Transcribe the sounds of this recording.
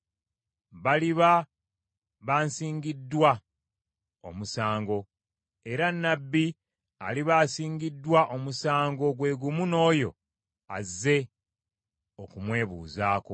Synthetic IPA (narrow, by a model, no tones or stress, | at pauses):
βaliβa | βaːnsiːŋɡidːwa | o̞̰musaːŋɡo̞ | e̞ɾanːabːi | a̰liβaːsiːŋɡidːwaʔo̞musaːŋɡo̞ɡwe̞ːɡumuno̞ːjo̞̰ | azːe̞ | o̞kumwe̞ːβṵːzaːko̰